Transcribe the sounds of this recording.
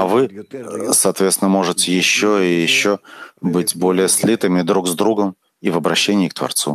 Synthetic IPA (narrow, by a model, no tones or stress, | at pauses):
ɐvɨsɐːt̪vʲesʲɪnəmo̞ʐɨtʲɪjɪɕːoɪjɪɕːobɨtʲbo̞lʲɪjəsʲlʲit̪ɨmʲɪd̪ɾuɡzd̪ɾuɡəm | ivɐbɾɐɕːenʲɪːk̚t̪vɐ̰rt̪sṵ